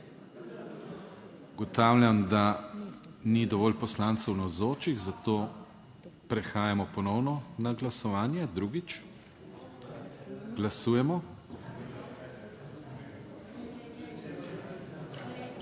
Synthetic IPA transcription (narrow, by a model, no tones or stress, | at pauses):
uɡɔt̪aːwlʲjamd̪a | nid̪ɔʋɔːlpɔslaːnt̪sɛwnawzoːt͡ʃiɣzat̪oː | pɾɛxaːjamɔpɔnɔwnɔnaɡlasɔʋaːnjad̪ɾuːɡit͡ʃ | ɡlasuːjɛmɔ